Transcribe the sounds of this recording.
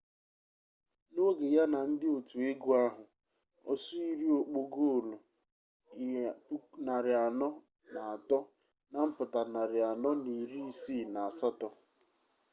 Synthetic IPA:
no˦ɡe˨ja˦na˨n̩˦dɪ˦o˨tu˨e˦ɡu˦a˦ɦʊ˨ | ɔ̰˨su˦i˦ɾi˦o˨k͡po˦ɡo˦o˨lo˨˦ | na˨ɾɪ˨a˨nɔ˦ | na˨a˨tɔ˦ | na˨m̩˦pʊ˨ta˨na˨ɾɪ˨a˨nɔ˦ni˨ɾi˦si˦˨na˨a˨sa˦tɔ˦

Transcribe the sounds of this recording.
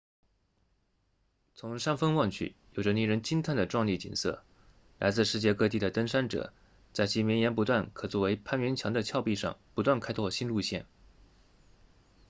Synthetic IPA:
t͡sʰʊ˧˥ŋʂa˥nfə˥ŋwɑ˥˧ŋt͡ɕʰy̰˥˩jo˨˩ʊʈ͡ʂə˦ni˥˩ɻə˧˥nt͡ɕi˥nt̪ʰa˥˩nd̪ə˩ʈ͡ʂwɑ˥˧ŋli˥˩t͡ɕḭ˨˩nsɤ̰˥˩ | la̰˧˥ɪt͡sɹ̩˥˧ʂɻ̩˥˧t͡ɕjɛ˥˧kɤ˥˧t̪̬i˥˩d̪ə˩t̪ə˥ŋʂa˥nʈ͡ʂɤ̰˨˩ | t͡sa˥˩ɪt͡ɕʰi˧˥mjɛ˧˥njɛ˧˥np̬u˧˥t̪wa˥˩nkʰɤ˨˩t͡swɔ˥˩we˧˥ɪpʰa˥nɥɛ˧˥nt͡ɕʰjɑ˧˥ŋd̪ə˧t͡ɕʰjɑ˥˧ʊpi˥˧ʂɑ̰˥˩ŋpu˧˥t̪wa˥˩nkʰa˥ɪt̪ʰwɔ˥˩ɕi˥nlu˥˧ɕjɛ̰˥˩n

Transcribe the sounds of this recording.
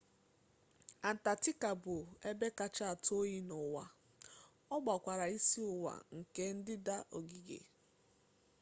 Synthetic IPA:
a˨n̩˨ta˨tɪ˦ka˨bʊ˨e˦be˦ka˨t͡ʃa˦a˨to˦ji˦nɔ˨wa˦ | ɔ˦ɡ͡ba˨kʷa˨ɾa˨i˦si˦ʊ˨wa̰˨ŋ̩˨ke˦n̩˦dɪ˦da˦ʔo˨ɡi˨ɡḛ˨

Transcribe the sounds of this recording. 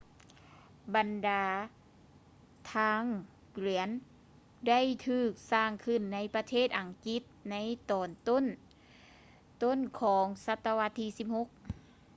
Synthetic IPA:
ba˨ndaː˨˧ | t̪ʰaː˧˥˨ŋ | kli˩˦ən | da˥˩˨jt̪ʰɯː˧˩k̚saː˧˩ŋkʰɯ˧˩nːa˧˥jpa˧t̪ʰeː˥˩t̪̚ʔa˨˩ŋki˧˦˥t̪̚na˧˥jt̪ɔː˨˩nt̪o˥˨n | t̪o˥˨nkʰɔː˨˩˦ŋsa˧t̪ːa˧wa˧t̪ʰːiː˧˥si˧˥p̚ho˧˦k̚

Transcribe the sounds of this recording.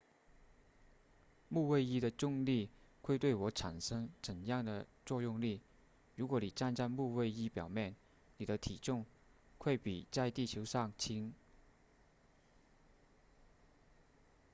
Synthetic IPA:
mu˥˧we˥˧ɪi˥d̪ə˨ʈ͡ʂʊ˥˧ŋli˥˩xwe˥˧ɪt̪we˥˩ɪwɔ˧˥ʈ͡ʂʰa˨˩nʂɤ˥ŋt͡sə˨˩njɑ˥˩ŋd̪ə˩t͡swɔ˥˧jʊ˥˧ŋli˥˩ | ɻu˧˥kwɔ˧˥ni˨˩ʈ͡ʂa˥˧nt͡sa˥˧nmu˥˧we˥˧ɪi˥pjɑ˨˩ʊmjɛ˥˩n | ni˨˩d̪ə˦t̪ʰi˨˩ʈ͡ʂʊ˥˧ŋ | xwe˥˩ɪpi˨˩t͡sa˥˧ɪt̪i˥˩t͡ɕʰjo˧˥ʊʂɑ˥˩ŋt͡ɕʰi˥ŋ

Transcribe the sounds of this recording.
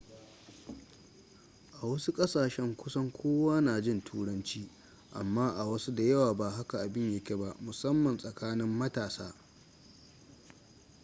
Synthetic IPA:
ʔa˨wɐ˦su˦kʼɐ˦saː˨ʃɛ˦ŋkʷʊ˦sɐ˦ŋkʷʰoː˦waː˦naː˨d͡ʒɪ˦˨ntʰuː˦ɽɐ˦nt͡ʃiː˦ | ʔa̰˨mːaː˦ʔa˨wɐ˦su˦da˨jɐ˦waː˨baː˨ɦa˦ka˨ʔa˨bɪ˦ɲje˨kʲe˦ba˦mʊ˨sɐ˦mːɐ˨nsʼɐ˨kʰaː˦nɪ˦mːɐ˦taː˨saː˦

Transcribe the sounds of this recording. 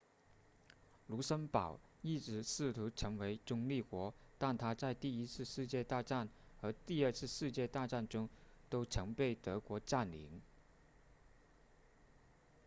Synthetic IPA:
lu˧˥ʂə˥npɑ˨˩ʊi˥˩ʈ͡ʂɻ̩˧˥sɹ̩˥˩t̪ʰu˧˥ʈ͡ʂʰɤ˧˥ŋwe˧˥ɪʈ͡ʂʊ˥ŋli˥˩kwɔ˧˥t̪a˥˩nt̪ʰa˥t͡sa˥˧ɪt̪i˥˩i˥t͡sʰɹ̩˥˧ʂɻ̩˥˧t͡ɕjɛ˥˧t̪a˥˧ʈ͡ʂa˥˩nxɤ˧˥t̪i˥˧ə˥˧t͡sʰɹ̩˥˧ʂɻ̩˥˧t͡ɕjɛ˥˧t̪a˥˧ʈ͡ʂa˥˩nʈ͡ʂʊ˥ŋt̪o˥ʊʈ͡ʂʰɤ˧˥ŋpe˥˩ɪt̪ɤ˧˥kwɔ˧˥ʈ͡ʂa˥˩nlḭ˧˥ŋ

